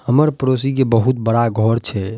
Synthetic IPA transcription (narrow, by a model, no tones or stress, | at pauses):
həməɾpɾos̬ik̬ebəɦut̪̚bəɽaɡʱɔɾt͡ʃʰɛ